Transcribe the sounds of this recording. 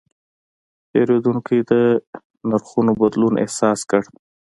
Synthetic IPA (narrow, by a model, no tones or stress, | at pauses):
peɾed̪uŋkid̪ə | naɾxunobad̪lunʔḛhsɑskəɽ